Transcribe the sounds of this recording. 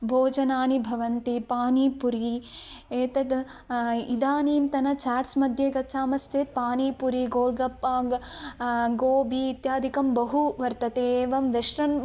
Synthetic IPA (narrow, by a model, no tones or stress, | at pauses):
bʱoːd͡ʒɐnaːnibʱɐʋɐnt̪ipaːniːpuɾi | eːt̪ɐd̪ | id̪aːniːmt̪ɐnɐt͡ʃaːɾsmɐd̪ʱjeːɡɐtːt͡ʃaːmɐst̪eːt̪̚paːniːpuɾiɡoːlɡɐpaːɡ | ɡoːbiːt̪jaːd̪ʱikɐmbɐɦuʋɐɾt̪ɐt̪eːʋɐmʋeʃɾɐn